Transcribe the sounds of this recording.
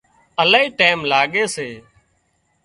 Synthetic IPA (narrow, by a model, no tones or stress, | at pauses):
əlaːiːʈaːmlaːɠeːseː